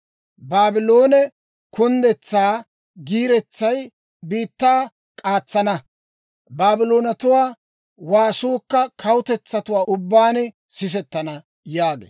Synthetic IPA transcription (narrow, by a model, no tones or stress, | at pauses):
baːbɪlo̞ːnɛ | kʊnd̪ɛt͡sːaː | ɡiːɾɛt͡sːɐj | biːt̪ːaː | kʼaːt͡sːɐnɐ | baːbɪloːnɐt̪ʊwaː | waːsoːkːɐkʰɐwʊt̪ɛt͡sːɐt̪ʊwaːʔʊbːaːnɛ | sɪs̬ɛt̪ːɐnɐ | jaːɡḛː